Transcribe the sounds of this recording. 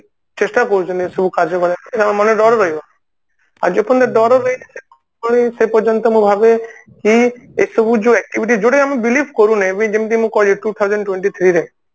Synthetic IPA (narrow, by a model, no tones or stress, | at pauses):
t͡ʃesʈakɔɾut͡ʃʰɔniesɔbukaɾd͡ʒɔkɔɾikammɔneɖɔɾɔɾɔɦibɔ | a̰ɾd͡ʒepʰɔnd̪eɖɔɾɔɾːɔinisekɔ | kɔɽĩsepɔd͡ʒɔnt̪ɔmũbʱabekiesɔbud͡ʒuɛk̚ʈibiʈid͡ʒoɽeamibilipʰkɔɾũnaebɔ̃d͡ʒemit̪imũkɔiʈut̪ʰawd͡ʒɔɳɖʈweɳʈit̪ʰɾiɾe